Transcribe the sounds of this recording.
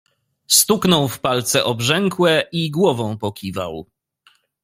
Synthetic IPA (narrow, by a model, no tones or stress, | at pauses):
st̪uknɔwfpalt̪sɛʔɔbʐɛŋkwɛiɡwɔvɔ̃w̃pɔkʲiva̰w